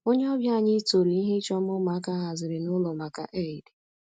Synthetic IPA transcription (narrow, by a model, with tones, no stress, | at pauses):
o˦ɲe˦ɔ˦bja˦˨ɲɪ˦to˨ɾi˨i˦ɦɪ˦t͡ʃɔ˦m˦ʊ˦ma˨˦ka˦ɦa˨zɪ˨ɾɪ˨nʊ˦lɔ˨ma˨ka̰˦ʔe˦˨i˨de˨